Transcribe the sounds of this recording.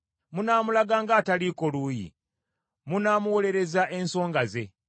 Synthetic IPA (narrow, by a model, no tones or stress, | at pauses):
munaːmulaɡaːŋɡaːtaliːkoluːjḭ | munaːmuwo̞le̞ɾe̞zaʔe̞nso̞ːŋɡaze̞̰